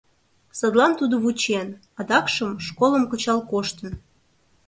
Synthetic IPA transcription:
sɤd̪lˠɑnt̪ud̪oβut͡ɕen | ɑd̪ɑkʃəmʃkolˠə̆mkot͡ɕɑlkoʃt̪ə̆n

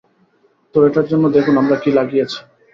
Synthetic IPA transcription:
t̪oɾeʈaɾd͡ʑonːod̪ekʰunamɾakilaɡijet͡ɕʰi̥

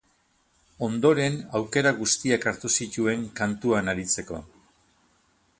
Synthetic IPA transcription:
o̞nd̪o̞ɾe̞nawke̞ɾaɣust̪iakaɾt̪usitue̞ŋkant̪uanaɾit͡se̞ko̞̰

